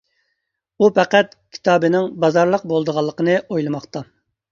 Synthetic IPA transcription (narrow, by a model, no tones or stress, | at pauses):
upɛqæt̪kʲʰi̥t̪ʰɑːbɨnɪŋbɑzɑɾlˠəq̚bolˠd̪əʁɑlˠːəqənɨojlˠɨmɑχt̪ɑ